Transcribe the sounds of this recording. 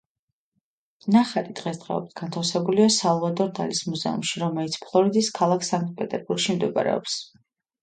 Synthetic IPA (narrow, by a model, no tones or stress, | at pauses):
naχaɾid̪ʁɛsd̪ʁɛ̰ɔ̰bit̪ʰɡ̥ant̪ʰafsɛbuliasalˠvad̪ɔɾd̪alismuzɛ̰ṵmʃiɾɔmɛlit̪sʰpʰlˠɔɾid̪iskʰalˠakʰsaŋkt̪̚ʼpʼɛt̪ʼɛɾbuɾɡʃimd̪ɛba̰ɾɛ̰ɔ̰ps